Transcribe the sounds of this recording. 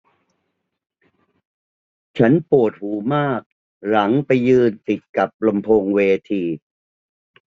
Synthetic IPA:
t͡ɕʰa˦˥npu˨˩ət̪̚huː˩˦maː˥˩k̚ | la˩˦ŋpa˧jːɯː˧nt̪i˨˩t̪̚ka˨˩p̚lo˧mpʰoː˧ŋweː˧t̪ʰiː˧

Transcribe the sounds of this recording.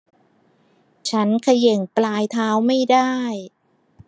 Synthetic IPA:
t͡ɕʰa˦˥nkʰa˧je˨˩ŋplaː˧jt̪ʰaː˦˥wma˥˩jdaː˥˩j

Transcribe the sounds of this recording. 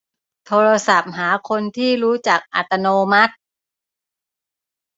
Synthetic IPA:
t̪ʰoː˧ɾa˧sa˨˩p̚ɦaː˩˦kʰo˧nt̪ʰiː˥˩ɾuː˦˥t͡ɕaː˨˩k̚ʔa̰˨˩t̪ːa˧noː˧ma˦˥t̪̚

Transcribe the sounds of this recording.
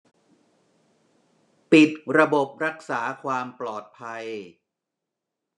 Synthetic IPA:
pi˨˩t̪̚ɾa˧bo˨˩p̚ɾa˦˥k̚saː˩˦kʰwaː˧mplɔː˨˩t̪̚pʰa˧j

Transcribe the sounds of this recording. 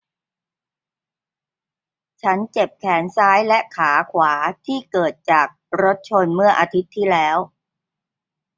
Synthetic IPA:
t͡ɕʰa˦˥nt͡ɕe˨˩p̚kʰɛː˩˦nsaː˦˥jlɛ˦˥kʰaː˩˦kʰwaː˩˦t̪ʰiː˥˩kɤː˨˩t̪̚t͡ɕaː˨˩k̚ɾo˦˥t̪̚t͡ɕʰo˧nmɯ˥˩ɐʔaː˧t̪ʰi˦˥t̪ʰːiː˥˩lɛː˦˥w

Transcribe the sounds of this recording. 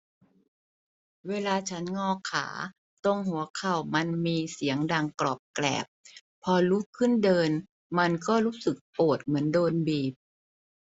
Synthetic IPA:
weː˧laː˧t͡ɕʰa˦˥nŋɔː˧˩kʰa̰ː˩˦ | t̪o˧ŋɦu˩˦ɐkʰa˨˩wma˧nmiː˧si˨˩˦əŋdaː˧˩ŋklɔː˨˩p̚klɛ̰ː˨˩p̚ʰː | ɔː˧lu˦˥kʰɯ˥˩ndɤː˧n | ma˧nkɔː˥˩ɾuː˦˥sɯ˨˩k̚poː˨˩t̪̚mɯ˩˦əndoː˧nbiː˨˩p̚

